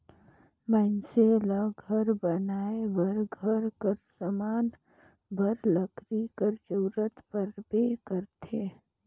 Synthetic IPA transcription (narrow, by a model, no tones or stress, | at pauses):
mɛ̃ːnselaɡʱəɾbənaːeʋəɾɡʱəɾkəɾsəmaːn | bʱəɾləkɾikəɾd͡ʒəːɾət̪pəɾbeːkəɾt̪ʰeː